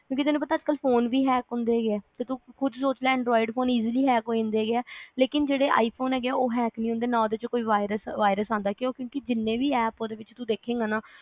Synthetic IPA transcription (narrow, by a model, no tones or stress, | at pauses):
kjõːkit̪ɪnũːpət̪aəd͡ʒkəlpʰoːnʋiːɦɛːkɦʊ̃nd̪eːɡeːt̪eːt̪ũkʰʊd̪soːt͡ʃlaːɛ̃ɳɖɾɔːɪɖpʰoːniːziliːɦɛːkɦoːĩnd̪eːɡɪɛːleːkɪnd͡ʒeːɽeːʔa̰ːiːpʰoːnɦɛːɡeɛːoːɦɛːknĩːʊ̃nd̪eːnãːoːd̪eːt͡ʃkoːiːʋaːɪɾəsʋaːɪɾəsãːnd̪aːkeoːkjõːkɪd͡ʒɪnːẽːʋiːɛːpoːd̪eːʋɪt͡ʃt̪ud̪eːkʰeːɡaːnaː